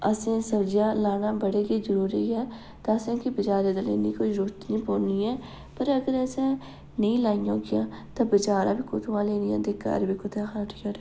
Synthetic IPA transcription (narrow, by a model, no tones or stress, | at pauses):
əsẽːsəbd͡ʒjaːlaːnaːbəɽeːɡizəɾuːɾiɛː | t̪aəsẽːkibɪt͡ʃaːɾeːd̪alḛːniːkoːɾoːɾt̪nĩːpoːɾniːɛː | pəɾəɡəɾɛsẽː | nəĩːlaːɪjõːkɪjãːt̪ãːbət͡ʃaːɾaːbiːkot̪ʰuãːleːnijã̰ːd̪eːka̰ːɾbikʊt̪ʰẽxaʈɪkaːɾe